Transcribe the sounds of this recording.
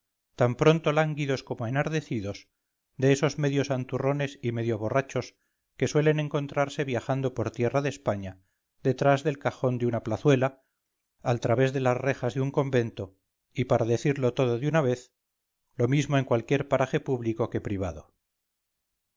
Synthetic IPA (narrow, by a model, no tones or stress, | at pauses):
t̪ampɾo̞nt̪o̞laŋɡiðo̞sko̞mo̞enaɾðe̞θiðo̞s | d̪e̞eso̞zme̞ðjo̞sant̪uro̞ne̞sime̞ðjo̞β̞o̞rat͡ʃo̞s | ke̞swe̞le̞ne̞ŋko̞nt̪ɾaɾse̞βjaxand̪o̞po̞ɾt̪je̞raðespaɲa | ðe̞t̪ɾazðe̞lkaχo̞nd̪eunaplaθwe̞laː | lt̪ɾaβe̞zðe̞lasre̞xazðeuŋko̞mbe̞nt̪o̞ | ipaɾaðe̞θiɾlo̞t̪o̞ðoðunaβe̞θ | lo̞mizmo̞e̞ŋkwalkje̞ɾpaɾaχe̞puβliko̞ke̞pɾiβ̞a̰ðo̞